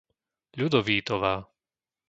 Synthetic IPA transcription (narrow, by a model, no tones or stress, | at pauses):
ʎud̪ɔʋiːt̪ɔʋaː